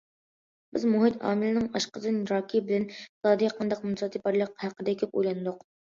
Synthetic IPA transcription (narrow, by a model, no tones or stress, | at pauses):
bɪzmuɦit̪ʰɑ̰ːmɪlɪnɪŋɑʃqəd̪ɨnɾɑːkʲʰibɪlɛnsɑːd̪ijɑqʰɑnd̪ɑq̚munsɑt̪ʰɨpɑɾlˠəq̚hæqəd̪ɛkʲʰɛp̚o̰jlˠɑnɨd̪ʊq